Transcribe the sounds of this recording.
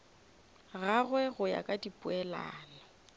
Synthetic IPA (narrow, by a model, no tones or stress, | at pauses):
ɣaɣwɛɣʊja̰kʼadipʼʊɛla̰ːla